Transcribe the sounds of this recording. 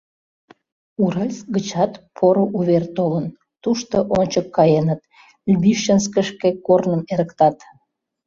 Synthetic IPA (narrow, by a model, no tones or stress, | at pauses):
uɾəlʲsɡət͡ɕɑt̪pʰoɾoʔuβert̪olən | t̪uʃt̪oʔonʲt͡ɕəkːɑjenət̪ | lʲbiʃənskəʃkekornəmeɾəkt̪ɑt̪